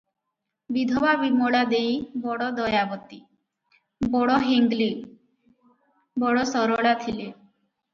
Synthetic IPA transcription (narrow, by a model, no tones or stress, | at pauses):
bid̪ʱɔbabimɔɭad̪ejbɔɽɔd̪ɔjabɔt̪i | bɔɽɔɦeŋɡli | bɔɽɔsɔɾɔɭat̪ʰile